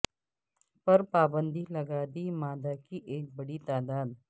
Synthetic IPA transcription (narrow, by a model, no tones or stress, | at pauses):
pɐɾpaːbə̃nd̪ʱilɐɡaːd̪imaːd̪akiʔeːk̚bɐɽit̪aːd̪aːd̪